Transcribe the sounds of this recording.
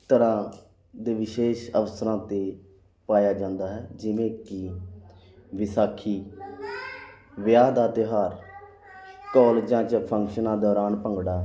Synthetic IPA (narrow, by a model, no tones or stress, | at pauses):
t̪əɾãː | d̪eːʋɪʃeːʃə̰ʋəsəɾãːt̪eː | paːjaːd͡ʒãːnd̪aːɦɛːd͡ʒɪʋẽːkɪ | ʋɪsaːkʰiː | ʋɪjaːd̪aːt̪eːɦaːɾ | kɔːld͡ʒãːt͡ʃəpʰəŋkʃənãːd̪ɔːɾaːnpəŋɡɽaː